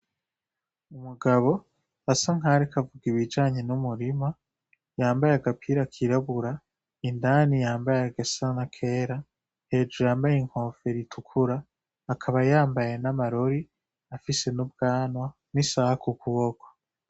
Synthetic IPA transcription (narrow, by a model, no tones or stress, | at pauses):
umuɡaβo̞ | asaŋ̥ɦaɾikavuɡiβid͡ʒaːɲe̞numuɾima | jaːmbajeaɡapʰiɾakʰiɾaβuɾa | indanijaːmbajaɡasanakʰe̞ːɾa | he̞d͡ʒujaːmbajeŋ̥ho̞ːfe̞ɾitʰukʰuɾaː | kʰaβajaːmbaje̞namaɾoɾi | afise̞nubɡaːnwa | nisahakukuβoko̥